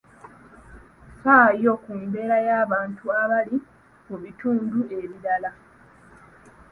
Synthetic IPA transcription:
saːjo̞kuːmbe̞ːɾajaːβaːntuaβali | muβituːndue̞βiɾala

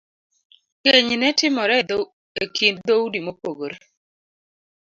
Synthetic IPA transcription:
keɲnɛtɪmɔɾɛ | ekind̪owdimopoɡoɾ

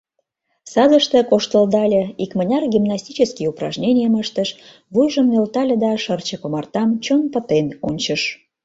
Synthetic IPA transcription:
sɑd̪əʃt̪ə̆koʃt̪əld̪ɑlʲəikmənʲɑrɡʲimnɑsʲt̪ʲit͡ɕəskijuprɑ̰ʒnʲenʲɪjəməʃt̪əʃ | βujʒəmnʲølt̪ɑlʲəd̪ɑʃərt͡ɕəkomɑrt̪ɑmt͡ɕonpə̆t̪enunʲt͡ɕəʃ

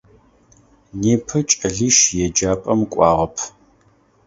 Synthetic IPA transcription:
neːpʰɨt͡ʃʼɐɮiːʃjɛd͡ʒaːpʼɐmkʷʼɑ̰ːʁɐpʰ

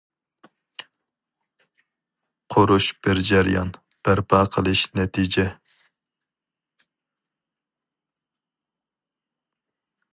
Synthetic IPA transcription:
qʰoɾuʃb̥ɪɾd͡ʒɛɾijɑ̰n | b̥æɾpʰɑːqʰəlˠɨʃnɛt̪ʰid͡ʒɛ

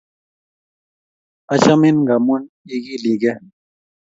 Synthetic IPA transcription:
ɐt͡ɕɐminɡamun | iɡiliɡe

